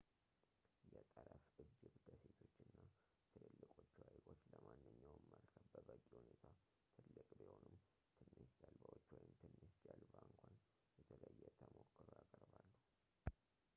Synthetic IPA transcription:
jɛt̪ʼəɾəfɨd͡ʒːɨbɡəse̞t̪ʰo̞t͡ʃːɨnːa | t̪ʰɨlɨlːɨkʼo̞t͡ʃːuajɡo̞t͡ʃːləmanːɨɲːawməlkʰəfbəbəkʼihunet̪ʰa | t̪ʰɨlːɨkʼbiho̞nɨm | t̪ʰɨnːɨd͡ʒalbawot͡ʃːwɔjɪmt̪ʰɨnːɨʃd͡ʒalbaɨŋkʷʰan | jɛt̪ʰɨləɨjːɛt̪ʰəmokːəɾojakʼəɾbalːuh

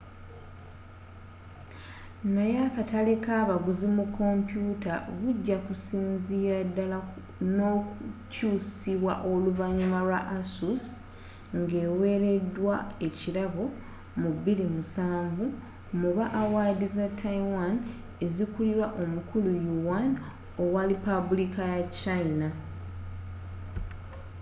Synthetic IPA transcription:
najakatale̞kaːβaɡuzimukːo̞mpjutaβuɟːakusiːnziːɾadːala | no̞ːkucuːsiβwaʔo̞luvaɲumalwaʔasus | ŋɡe̞ːwe̞ːɾe̞dːwae̞ciɾaβo | mubilimusaːɱvu | muβaʔːwaːdizatʰːaiwan | e̞zikuliɾwaʔo̞mukʰulujuwan | o̞waɾipabulikajat͡ʃaina

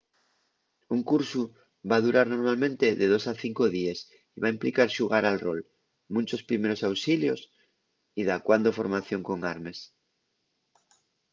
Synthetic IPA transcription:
uŋkuɾsu | βað̞uɾaɾno̞ɾmalmẽ̞nt̪e̞ðe̞ð̞osaθiŋko̞ðies | iβaimplikaɾʃuɣ̞aɾalro̞l | mũnt͡ʃo̞spɾime̞ɾo̞sawsiljo̞s | iðakwand̪o̞fo̞ɾmaθjo̞ŋko̞ŋaɾme̞s

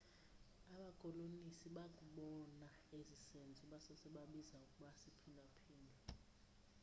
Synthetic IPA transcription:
aɓakʼɔlonisiɓakʼuɓɔna | ezisend͡zʱiɓasɔsɛɓaɓizaukʼuɓasipʰinapʰiːlɛ

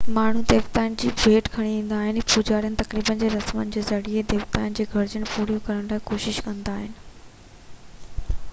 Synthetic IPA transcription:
maːɳ̤ud̪eːʋt̪aːɪnɪd͡ʑiːbʱeːʈkʰɐɽ̃iʋĩːn̆d̪aːɦɪnɪpud͡ʑaːɾijənɪ̆t̪ɐkɾiːbənd͡ʑeːɾɐsmənɪ̆d͡ʑeːzɐɽied̪eːʋt̪aːɪnɪ̆d͡ʑeːɡʱɐɾd͡ʑəɽ̃puːɾijũkɐɾəɽ̃laːikoːʃɪʃkɐ̃nd̪aːɦɪnɪ̆

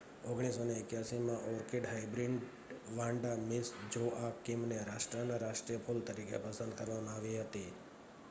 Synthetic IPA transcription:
oɡɽ̃isoneːkjasimãʔɔɾkeɖɦaibɾiɳɖ | ʋãɳɖamisd͡ʒoʔakimneɾaʃʈɾənaɾaʃʈɾijəpʰult̪əɾikḛpəsə̃nd̪kəɾʋamãaʋiɦət̪i

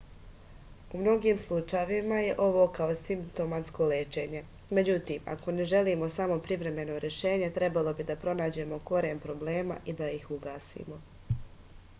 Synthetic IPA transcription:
umno̞ɡiːmslˠut͡ʃajeʋimaje̞ʔo̞ʋo̞ːkaosimpt̪o̞mat̪sko̞leːt͡ʃe̞ɲe̞ | me̞d͡ʑut̪iːma̰ko̞ne̞ʒe̞liːmo̞saːmo̞pɾiʋɾe̞me̞no̞ɾje̞ʃe̞ːɲe̞t̪ɾe̞balˠo̞bid̪apɾo̞naːd͡ʑe̞mo̞ko̞ɾeːmpɾo̞ble̞ːma̰ʔid̪aixuɡaːsḭmo̞

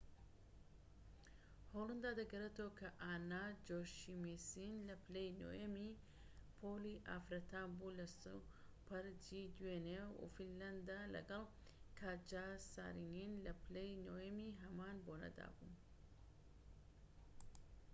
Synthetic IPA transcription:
holˠɨnd̪aːd̪ɐɡɐɾet̪owkʰɐʔaːnad͡ʒoʃimisinlɐplejno̰jɐmi | pʰoliʔafɾɐt̪ʰaːmbulɐsu | pʰɐɾd͡ʒid̪wenewṵfillɐnd̪alɐ̰ɡɐlˠ | kʰaːd͡ʒasa̰ːɾininlɐplejnojɐmiɦɐmaːnboːnɐ̰d̪a̰ːbṵn

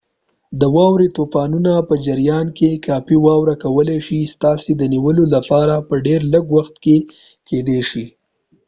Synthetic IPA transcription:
d̪əwɑwɾet̪opɑnunapəd͡ʒaɾjɑnkekɑpiwɑwɾakawəleʃist̪ɑsed̪əniwəlolapɑɾapəɖeɾləɡwaxt̪ke | ked̪eʃi

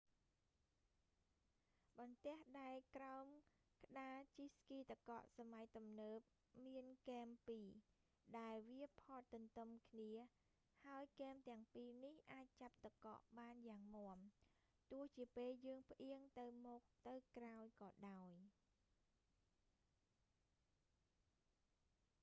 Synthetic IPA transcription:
ɓɑnt̪ɛ̆əhɗaɛlkraɔm | kə̆ɗaːt͡ɕiskiːt̪əkɑ̰ʔsamajt̪umnəːp̚ | miənkɛːmpiː | ɗaɛlʋiəpʰɑːt̪ːɨnt̪ɨmkʰniə | haəjkɛːmt̪ɛ̆əŋpiːnihʔaːc̚t͡ɕap̚t̪əkɑ̰ʔɓaːnjaːŋmŏəm | t̪ʊ̆əht͡ɕiəpeːljəːŋp̆ʰʔiəŋt̪ɨwmɔːk̚t̪ɨwkraɔjkɑːɗaɔj

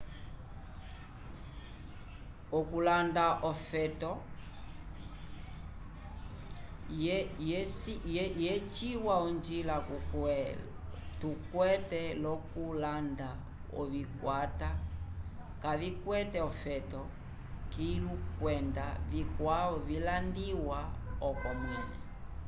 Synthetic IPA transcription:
ɔkulandaʔɔfɛtɔ | jjɛt͡ʃiwaund͡ʒila | tukwɛtɛlɔkulanda | ɔ̰vikwata | kavikwɛtɛɔfɛtɔ | kilukwɛndavikwaɔvilandiwaɔkɔmɛnɛ

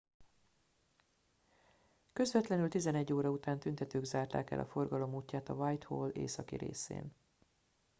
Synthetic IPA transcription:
kø̞zvɛt̪lɛnylt̪izɛnɛɟːoːɾɒut̪aːnt̪ynt̪ɛt̪øːɡzaːrt̪a̰ːkɛ̰lʔɒ̰fo̞rɡɒlo̞muːcːaːt̪ɒvajt̪hoːlḛːsɒkḭɾḛːsḛːn

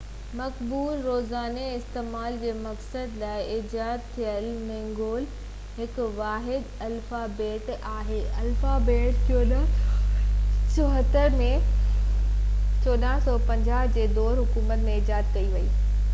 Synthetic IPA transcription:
mɐkbuːɾːoːzaːneɪst̪eːmaːld͡ʑeːmɐksəd̪laːɪʔɪd͡ʑaːd̪̚t̪ʰijəlmẽːŋɡoːl | ɦɪkʋaːɦɪd̪ɐlfabeːʈaːɦeɐlfabeːʈk̪ʰonə | t͡ɕoɦət̪əɾmẽ | t͡ɕoːɗaːɦsɔːpɐ̃ɲd͡ʑaːɦd͡ʑeːd̪ɔːɾɦʊkuːmət̪mẽd͡ʑaːd̪kɐiʋɐḭː

